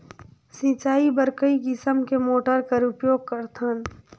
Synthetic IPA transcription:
sĩt͡ʃaːibəɾkəikɪsəmkemoːʈəɾkəɾʊpjoːɡ̚kəɾt̪ʰən

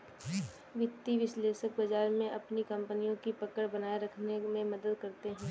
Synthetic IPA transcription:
ʋɪt̪ːiʋɪʃleːʃək̚bɐd͡ʒaːɾmẽʔɐpnikɐ̃mpənijõkipɐkəɽbɐnaːeɾɐkʰnemẽmɐd̪əd̪kɐɾt̪eɦɛ̃ː

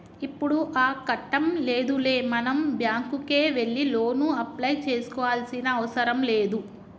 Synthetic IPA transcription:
ipːuɽuʔaːkɐʈːɐmle̞ːd̪ule̞ːmɐnɐmbjaːŋkuke̞ːʋe̞ɭːilo̞ːnuɐplɐjt͡ʃe̞ːsu̥kɔːʋaːlsinɐːʋɐsɐɾɐmle̞ːd̪u

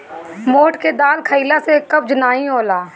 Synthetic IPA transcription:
moːʈked̪aːlkʰəiːlasekəb̚d͡ʒənaːĩoːlaː

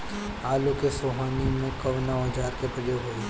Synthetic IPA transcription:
aːlokesoːɦaːnimẽkɐʋnəːɦəd͡ʒaːɾkepɾəjoɡɦoːe

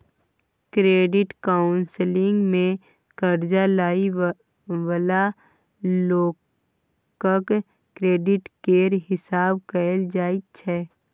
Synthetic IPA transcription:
kɾeːɖɪʈkaːʊnslɪ̃ŋɡmẽ | kəɾd͡ʒalaːi | ʋəla | loː | kək | kɾeːɖɪʈkeːɾɦɪsaːbkəld͡ʒaːit͡ʃʰɛː

